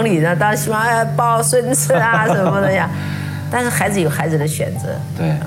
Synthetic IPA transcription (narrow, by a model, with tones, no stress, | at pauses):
ŋli˨˩nə˦t̪ɑ˥ɕi˥wɑ˥˩ə˥˩pɑ˥ʊʂwə˥nt͡sʰə˥ɐ˧ʂə˧˥mə˧d̪ə˨ja˥˧ | t̪a˥˧nʂɻ̩˥˩xa˧˥ɪd͡zɹ̩˧jo˨˩ʊxa˧˥ɪd͡zɹ̩˨d̪ə˦ɕɥɛ̰˨˩nt͡sɤ̰˧˥t̪we˥˩ɪ